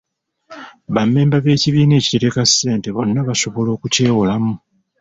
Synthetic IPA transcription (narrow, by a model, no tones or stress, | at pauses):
βamːe̞ːmbaβe̞ːciβiːne̞ːci̥te̞ɾekasːe̞ːnte̞βo̞nːaβaso̞βo̞lo̞ːkuce̞ːwolamu